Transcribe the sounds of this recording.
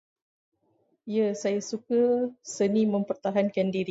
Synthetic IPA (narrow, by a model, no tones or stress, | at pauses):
jasajasukəsəniməmpərt̪aɦankandiɾi